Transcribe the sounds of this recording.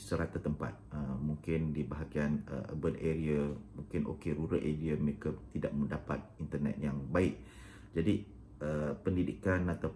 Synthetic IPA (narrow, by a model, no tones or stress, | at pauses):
səɾat̪at̪əmpa̰t̪̚əmũŋkɪndibəɦaɡianə̰ʔə̰bəlʔeɾiamũŋkɪnʔo̰keɾuɾəʔeɾiaməɾekat̪idaʔməndapa̰t̪̚int̪ərnɛ̰t̪̚jaŋbaɪʔ̚ | d͡ʒadi | əpəndidḭkanat̪a